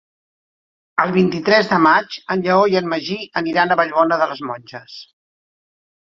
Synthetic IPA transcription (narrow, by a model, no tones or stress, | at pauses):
əlˠβint̪it̪ɾɛzðəmat͡ʃənʎəoiənməʒiəniɾanəβəʎβɔnəðələzmɔnʲʒəs